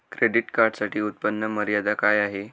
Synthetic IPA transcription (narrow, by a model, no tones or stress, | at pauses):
kɾeɖiʈkaɾɖsaʈiːut̪̚pənːəməɾjad̪akajaɦe